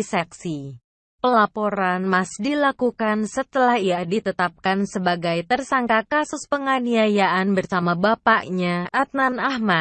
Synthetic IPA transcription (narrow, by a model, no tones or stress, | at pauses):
saksi | pəlapoɾanmasdilakukansət̪əlahijahdit̪ət̪ap̚kansəbaɡajt̪ərsaŋkakasʊspəŋaniajaʔanbərsamabapaʔɲaʔat̪̚nanahma